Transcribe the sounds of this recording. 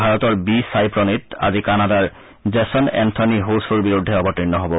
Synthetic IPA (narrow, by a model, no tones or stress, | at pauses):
bʱaɹɔt̪ɔɹbisajpɹɔnita̰zikanadaɹ | zɛsɔnɛ̰nt̪ʰɔniɦosuɹbiɹud̪ʱːɛɔbɔtɹinːɔɦɔbɔ